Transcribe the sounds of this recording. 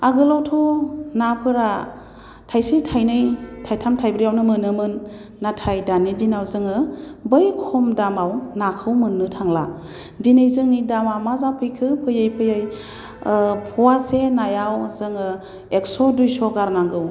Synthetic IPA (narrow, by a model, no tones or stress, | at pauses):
aɡɯlawtʰɔnapʰɯɾa | tʰajsitʰajnɯjtʰajtʰamtʰajbɾijawnɯmɯnɯmɯnː | atʰajdanidinawzɯŋɯbɯjkʰɔmdamawnakʰɯwmɯnːɯtʰaŋla | dinɯjzɯŋnidamamazapʰɯjkʰɯpʰɯjɯjpʰɯjɯj | pʰɔwasenajawzɯŋɯ | ek̚sɔdujsɔɡaɾnaŋɡɯw